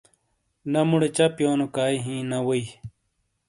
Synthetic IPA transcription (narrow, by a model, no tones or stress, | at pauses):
nɐmuɽet͡ɕɐpjoːnokaːiɦĩːnɐwoi